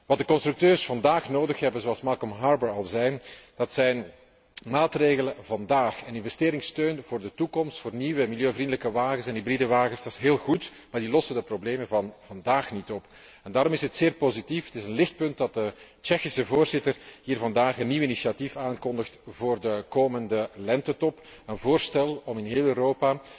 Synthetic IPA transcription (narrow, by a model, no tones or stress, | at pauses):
ʋɑt̚dəkɔnst̪ɾʏk̚tøːrsfɑndaːxnoːdəxɦɛbənzoɑlˠsmɑlˠkɔmɦarbəɹɑlˠzɛjd̥ɑtsɛjn | maːtreːɣələvɑndaːxənɪnvɛsteːɾɪŋstøːnvoːrdətukɔmstfoːrniʋəmɪljøːvrindələkəʋaːɣənsɛnɦibridəʋaːɣənsdɑsɦeːlˠɣutmaːrdilɔsəndəprobleːmənvɑnvɑndaːxnitɔp | ɛndaːɾɔmɪsətseːrpozitifətɪzənlɪxt̚pɵnt̚dɑt̚dət͡ʃɛxisəvoːrzɪtərɦiːrvɑndaːxənːiwinisiatifaːnkɔndəxtvoːrdəkoːməndəlɛntətɔp | ənvoːrstɛlˠɔmɪnɦeːlˠøːɾoːpa